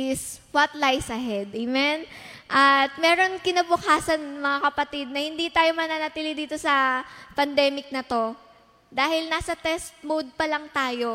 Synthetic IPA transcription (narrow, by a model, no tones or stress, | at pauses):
ɪswɐt̪lajsʔɐɦɛd̪ɛmɛn | ʔɐt̪̚mɛːɾo̞nkɪnɐbʊkaːsɐnmɐŋakɐpɐt̪id̪̚nɐhɪnd̪it̪aːjo̞mɐnanɐt̪ilid̪iːt̪o̞sɐpɐnd̪ɛːmɪk̚nɐt̪o̞ | d̪aːhɪlnaːsɐt̪ɛst̪̚mod̪̚pɐlɐŋt̪aːjo̞